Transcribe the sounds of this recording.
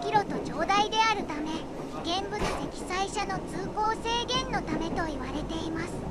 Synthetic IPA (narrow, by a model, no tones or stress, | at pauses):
kʲiɾo̞t̪o̞d͡ʑo̞ːd̪aid̪e̞aɾɯ̟t̪ame̞ | ɡẽ̞mbɯ̟t͡sɨse̞kʲi̥saiɕano̞t͡sɨːko̞ːse̞ːɡẽ̞nːo̞t̪ame̞t̪o̞iβaɾe̞t̪e̞imasɨ̥